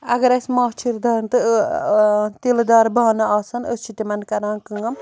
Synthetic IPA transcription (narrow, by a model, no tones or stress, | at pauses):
ɐ̰ɡɐɾɐsmaːt͡ʃʰiɾd̪aːɾnt̪ɨ | t̪ild̪aːɾbaːnɐaːsɐnəst͡ʃʰit̪imɐnkɐɾãːkɨŋɐm